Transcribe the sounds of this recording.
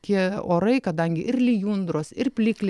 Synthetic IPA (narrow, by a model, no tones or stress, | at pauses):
kʲiɛoːɾɐɪkɐd̪ɐŋʲɡʲɪʔɪrlʲijuːnd̪ɾoːsɪrpʲlʲiːklʲ